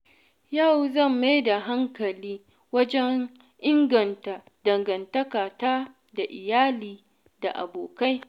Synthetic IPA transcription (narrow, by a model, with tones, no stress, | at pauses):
ja˦˨wzɐ˦˨mːa˦jda˨ɦa˦ŋkɐ˨liː˦ | wɐ˦d͡ʒɛ˦ŋ | ʔɪ˦ŋɡɐ˨nta˨ | dɐ˨ŋɡɐ˨ntɐ˦kaː˨taː˦ | da˨ʔɪ̰˨jaː˦liː˨ | da̰˨ʔa̰˨boː˨ka˦j